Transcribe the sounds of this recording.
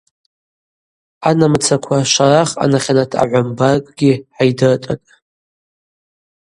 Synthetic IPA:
anamt͡sʰakʷʰaʃaraχa̰naχʲanatʰa̰ʕʷambarkʼɡʲiħajdɨrtʼa̰tʼ

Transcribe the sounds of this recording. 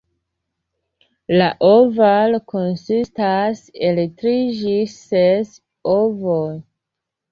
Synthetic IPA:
laʔovalko̞nsistaseletɾiʒises | ovoj

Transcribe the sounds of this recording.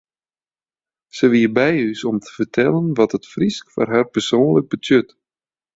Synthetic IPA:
səʋiəbɛjysɔmtʰə̥vərtʰɛlˠənʋɔtətfriskfa̰rɦarpərsoːnləɡ̚bətʰjøt

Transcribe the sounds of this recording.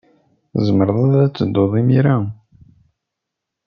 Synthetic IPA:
zˤəməɾðˤɑðˤæt͡sːəd̪ːoðˤimiɾæ

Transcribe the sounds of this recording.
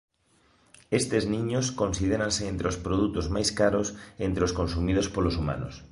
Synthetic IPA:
est̪eznĩɲoskõnsið̞eɾãnseent̪ɾeospɾoð̞ut̪ozmajskaɾosent̪ɾeoskonsumið̞ospolosuma̰no̰s

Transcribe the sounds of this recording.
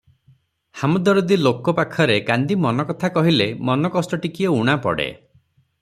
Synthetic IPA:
hamɔd̪ɔɾod̪ilokɔpakʰɔɾekand̪imɔnɔkɔt̪ʰakɔɦilemɔnɔkɔsʈɔʈikiɔuɽ̃apɔ̰ɽḛ

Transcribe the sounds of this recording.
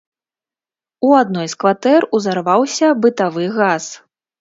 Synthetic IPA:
uad̪̚nɔjskvat̪ɛruzarvawsʲɐbɨt̪avɨɣas

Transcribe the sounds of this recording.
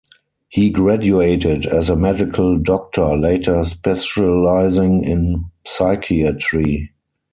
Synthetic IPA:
hiːɡɹædueɪtɪdɛzəmɛdɪkʰəldɔk̚tʰə˞leɪtʰə˞spɛsəlaɪzɪ̃ŋɪ̃nsaɪkʰiətɹi

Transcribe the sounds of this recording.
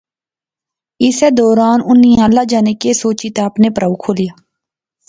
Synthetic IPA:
ɪseːd̪ɔːɾaːnʊniãːlaːd͡ʒaːnekesoːt͡ʃit̪aːpnepəɾaːukʰoːlijaː

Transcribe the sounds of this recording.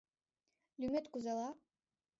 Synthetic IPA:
lʲymet̪kuzalˠa

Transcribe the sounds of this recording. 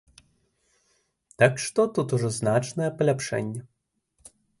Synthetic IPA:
t̪akʂt̪ɔt̪ut̪uʐɔznat͡ʂnɐjɛpɐlʲapʂɛ̰nʲːɐ

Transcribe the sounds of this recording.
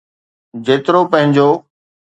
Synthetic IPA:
d͡ʑeːt̪ɪɾopə̃ɦɪ̃ɲd͡ʑoː

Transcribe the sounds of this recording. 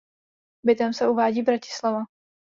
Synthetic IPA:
bɪt̪ɛmsɛʔuvaːɟiːbɾacɪ̥slava

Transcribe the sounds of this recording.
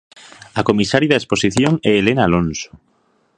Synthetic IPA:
akomisaɾjaðaesposiθjoŋɛːlenaːlõnso̥

